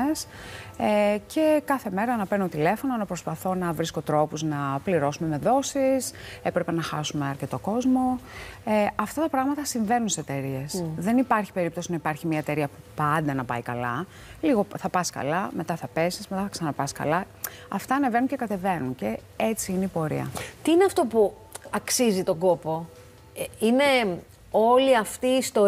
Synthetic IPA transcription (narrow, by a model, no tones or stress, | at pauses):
esecʰe̞kɐθe̞me̞ɾɐːnɐpenot̪ile̞fo̞nonɐpɾo̞spɐθo̞nɐvɾisko̞t̪ɾo̞puznɐpliɾo̞sume̞me̞ðo̞sisepɾepe̞nɐxɐ̰sume̞ɐɾce̞t̪o̞ko̞zmo̞eɐft̪ɐt̪ɐpɾɐɣmɐt̪ɐsiɱve̞nunsst̪e̞ɾie̞sðe̞nipɐɾçi̥pe̞ɾip̚t̪o̞sinɐipɐɾçimɐet̪e̞ɾiɐpupɐnd̪ɐnɐpɐ̰ikɐlɐ | liɣo̞θɐpɐskɐ̰lɐme̞t̪ɐθɐpe̞sismet̪ɐθɐksɐnɐpɐskɐ̰lɐ | ɐft̪ɐːne̞ve̞nunce̞kɐt̪e̞ve̞nunce̞ | et͡siineipo̞ɾḭɐ̰t̪iineɐft̪o̞pu | ɐksizit̪o̞ɡo̞po̞ | ine̞ | o̞liɐft̪iːst̪o̞